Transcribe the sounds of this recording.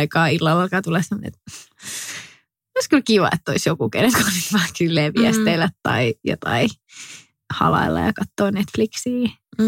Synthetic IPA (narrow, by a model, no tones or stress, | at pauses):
ikɑːilːɑlːɑlkɑːt̪ulesɑmn̰ḛt̪ | oiskylkiʋɑ̰ḛt̪ːoisjokukḛneŋkɑnetʋɑːkylːeːʋiæst̪eilːæt̪t̪ɑ̰ijo̰t̪ɑi | hɑ̰lɑ̰ilːɑ̰jɑkɑt̪ːoːnet̪fliksiː